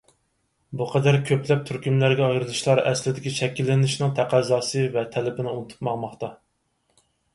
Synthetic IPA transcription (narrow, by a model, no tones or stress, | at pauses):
buqʰɑd̪æɾkʲʰøplɛp̚t̪ʰyɾkʲymlæɾɡʲɛɑjɾɨlˠɨʃlˠɑɾɛ̰slɪd̪ɪkʲiʃʰɛkʲːilːɪnɪʃnɪŋt̪ʰæqʰæzɑːsɨvɛt̪ʰɛlɪbɪnɪunt̪ʰu̥pmɑʁmɑχt̪ɑ